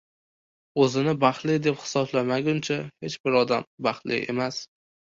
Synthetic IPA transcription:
ɵzɪnɪbaχlɪd̪e̞phɪ̥sɒblamaɡʲʊnt͡ʃʰahe̞t͡ʃbɪɾɒd̪ambɑχlɪ̰e̞̰mas

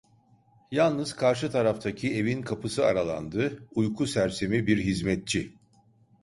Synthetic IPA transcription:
jalˠnɯz̥kʰaɾʃ̬ɯt̪ʰaɾaft̪ʰacʰie̞vinkʰapɯsɯaɾalˠa̰nd̪ɯujkʰusæɾse̞mibiɾɦizmɛt̪̚t͡ʃʰi

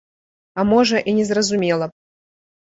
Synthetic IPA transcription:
ɐmoʐəʔinʲɪzɾɐzʊmʲelˠə

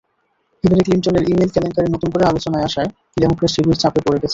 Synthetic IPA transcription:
ed̪ʱaɾeklinʈoneɾʔimelkɛlenkaɾenot̪unkoɾealot͡ɕonaeaʃae | k̪ilamukɾeɾsibuɾt͡ɕapepoɾeɡɛt͡ɕʰe

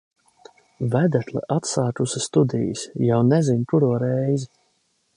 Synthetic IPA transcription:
væd̪æt̪lˠɛ̰ʔat̪saːkusist̪ud̪ḭjḭsjawnɛzinkuɾuɔɾɛjzi

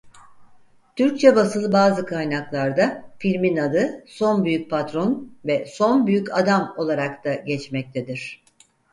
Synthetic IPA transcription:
t̪ʰyɾc̚t͡ʃʰɛbasɯlˠɯbaːzɯkʰajnaklˠaɾd̪afilʲminad̪ɯso̞nbyjyc̚pʰat̪ɾo̞nvɛso̞nbyjycad̪amo̞lˠaɾakt̪ʰaɟɛt͡ʃmɛc̚t̪ʰed̪iɾ̥

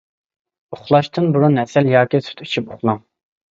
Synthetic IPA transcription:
oχlˠɑʃt̪ʰɨnbuɾunɛsɛljɑːkʲisy̥t̪y̥t͡ʃʰypoχlˠɑŋ

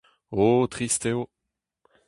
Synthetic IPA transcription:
ot̪χist̪eo

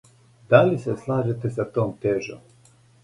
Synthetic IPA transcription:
d̪̥aliseslˠaːʒet̪e̞sat̪oːmt̪eʒo̰m

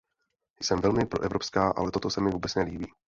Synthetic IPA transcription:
jsɛmvɛlmɪpɾo̞ʔɛvɾo̞pskaːʔa̰lɛt̪o̞t̪o̞sɛmɪvuːbɛt͡snɛliːbiː

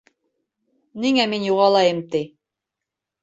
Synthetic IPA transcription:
niŋæminjuʁɑlˠɑjɤmt̪i

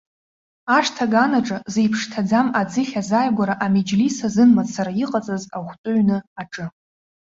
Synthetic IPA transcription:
aʂtʰaɡanaʈ͡ʂʼazejpʰʂtʰad͡zamad͡zɨχʲazajɡʷaɾaʔamed͡ʒlisazɨnmazsaɾaiqʼat͡sʼazaχʷt͡sʼʊɥnɨaʈ͡ʂʼɨ

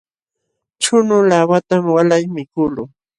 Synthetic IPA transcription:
t͡ʃʊnʊlawat̪amwalajmɪkʊlʊ

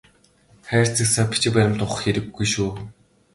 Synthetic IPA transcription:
χæːr̥t͡sɘ̆ksapi̥t͡ɕɪ̆kpæɾʲɪ̆m̥t̪ʊχə̆xeɾɘ̆ɡːujʃuː

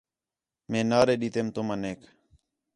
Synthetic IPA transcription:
mẽːnaːɾeːɗiːt̪eːmt̪oːmãːneːk

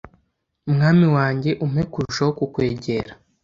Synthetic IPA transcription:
umŋaːmiwaːɲɟe̞ʔumekuɾuʃawokukwe̞ːɟe̞ɾḁ

